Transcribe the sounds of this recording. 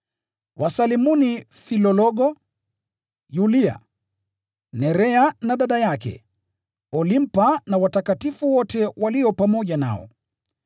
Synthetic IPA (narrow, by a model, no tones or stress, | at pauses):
wʔasalimuni | filɔlɔɠɔ | julia̰ | nɛɾɛanaɗaɗajakɛ̰ | ɔlim̩panawatakatifuwɔtɛwaliɔpamɔʄana̰ɔ̰